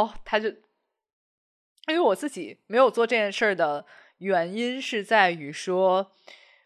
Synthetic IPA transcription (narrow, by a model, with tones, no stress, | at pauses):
ɔ˥˩t̪ʰa˥t͡ɕjo˥˧˩ʊ | i˥we˧˥wɔ˨˩t͡sɹ̩˥˩t͡ɕi˨˩˦me˧˥ɪjo˨˩ʊt͡swɔ˥˧ʈ͡ʂɤ˥˧˩t͡ɕjɛ˥˧nʂə˥˩d̪ə˩ | ɥɛ˧˥ni˥nʂɻ̩˥˧t͡sa˥˩ɪy˨˩ʂwɔ˥